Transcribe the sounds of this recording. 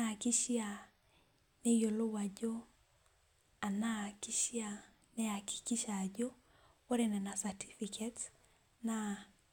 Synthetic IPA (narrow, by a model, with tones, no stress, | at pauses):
na˨ki˦ʃia˨ | ne˦jo˨lo˦wa˨d͡ʒo˦ | a˨na˦ki˦ʃia˨ | nɛ˦a˨ki̥˨ki˦ʃa˨d͡ʒo˦ | wo˦ɾɛ˨nɛ˨na˨sa˨tʰi˦fi˨kʰɛt | na